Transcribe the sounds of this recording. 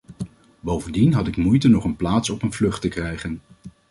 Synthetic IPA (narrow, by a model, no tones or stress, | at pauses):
bowvəndinɦɑtɪkmujtənɔχənplaːtsɔpənvlɵχtəkrɛjχən